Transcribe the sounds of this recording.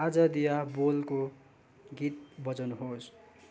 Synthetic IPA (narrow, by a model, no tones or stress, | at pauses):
ad͡zʌd̪ijabolko | ɡit̪̚bʌt͡sʌnuɦos